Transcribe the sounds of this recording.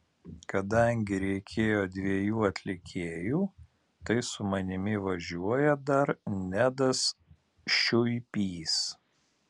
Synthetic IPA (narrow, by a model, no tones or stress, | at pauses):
kɐd̪ɐŋʲɡʲɪɾʲɛɪkʲʰeːjoːd̪ʲʋʲiɛjuːɐt̪ʲlʲɪkʲʰeːjuː | t̪ɐɪsʊmɐnʲɪmʲɪʋɐʒʲuɔjɛd̪ɐɾnʲæd̪ɐs | ʃʲʊɪpʲiːs